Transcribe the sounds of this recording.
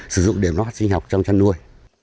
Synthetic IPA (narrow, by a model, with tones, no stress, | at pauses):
sɨ˧˩zʊ̰˧˨ŋ͡mɗi˧˩əmnɔ˨˦ha˦˥t̚sï˧ŋ̟ɦa˨˩k͡p̚t͡ɕɔ˧wŋ͡mt͡ɕa˧nːu˧əj